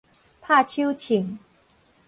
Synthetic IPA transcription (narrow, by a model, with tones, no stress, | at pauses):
pʰa˥˧t͡ɕʰu˥ʊt͡ɕʰi˨˩˦ŋ